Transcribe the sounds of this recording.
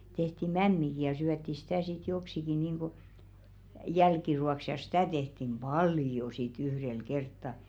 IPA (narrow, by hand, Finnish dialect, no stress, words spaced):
tehti mæmːiki jɑ syætːi sitæˑ sit joksiki niːŋɡ̊u jælkiruɑks jɑ si̥tæˑ tehtim b̥ɑljo sit yhrel kertːɑ